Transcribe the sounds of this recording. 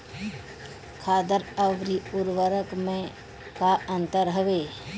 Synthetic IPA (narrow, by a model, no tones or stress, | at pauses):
kʰaːd̪əɾəʋɾiʊɾʋəɾəkmẽ | kaə̃nt̪əɾɦəʋeː